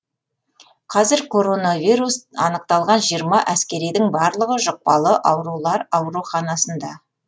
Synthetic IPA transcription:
qʰɑzɪɾkʰo̞ɾo̞navʲijɾusɑnəq̚t̪ɑlˠʁɑnʒijəɾmɑʔæskʲe̞ɾijd̪ɪŋbɑɾlˠəʁəʒoq̚pɑlˠəʔɑwɾulˠɑɾɑwɾuχɑnɑsənd̪ɑ

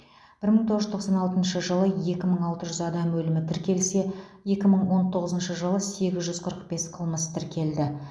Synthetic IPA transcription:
b̥ɪɾməɴt̪ʰoʁəʒʏt̪ʰoqsɑnɑlˠt̪ənʃəʒəlˠəje̞kʲɪməɴɑlˠt̪əʒʏzɑd̪ɑmwɵlɪmɪt̪ʰɪɾkʲe̞lse̞je̞kʲɪməɴwo̞nt̪ʰo̞ʁəzənʃəʒəlˠəse̞ɡʲɪzʒʏz̥qʰəɾəq̚be̞sqʰəlˠməst̪ʰɪɾkʲe̞ld̪ɪ

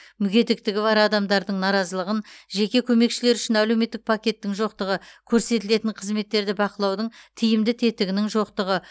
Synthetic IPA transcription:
mʏɡʲe̞t̪ɪk̚t̪ɪɡʲɪvɑɾɑd̪ɑmd̪ɑɾd̪əɴnɑɾɑzəlˠəʁənʒe̞kʲe̞kʲʰɵme̞kʃɪle̞ɾʏʃɪnæle̞wme̞t̪ːɪk̚pʰakʲe̞t̪ːɪŋʒo̞qt̪əʁəkʲʰɵɾse̞t̪ɪle̞t̪ɪɴqʰəzme̞t̪ːe̞ɾd̪ɪbɑqəlˠɑwd̪əɴt̪ʰijɪmd̪ɪt̪ʰe̞t̪ɪɡʲɪnɪŋʒo̞qt̪əʁə

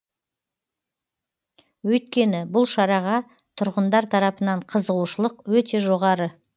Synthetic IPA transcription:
wɵjt̪̚kʲe̞nɪbʊlˠʃɑɾɑʁɑ | t̪ʰʊɾʁənd̪ɑɾt̪ʰɑɾɑpənɑɴqʰəzəʁuʃəlˠəqwɵt̪e̞ʒo̞ʁɑɾə

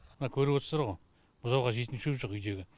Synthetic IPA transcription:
mənɑkʲʰɵɾɪpwot̪əsɑɾʁoj | b̥ʊzɑwʁɑʒet̪ɪnʃɵpʒoqʏjd̪e̞ɡʲɪ

